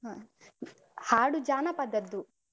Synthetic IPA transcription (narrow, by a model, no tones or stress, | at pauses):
a | haːɽud͡ʒaːnɐpɐd̪ɐd̪ːu